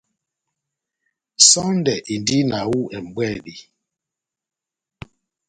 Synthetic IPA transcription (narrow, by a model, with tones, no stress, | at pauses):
sɔ˦n˦dɛ˨ʔi˨n˨di˦na˨wu˦ʔɛ˨m˨bwɛ˦˨li˨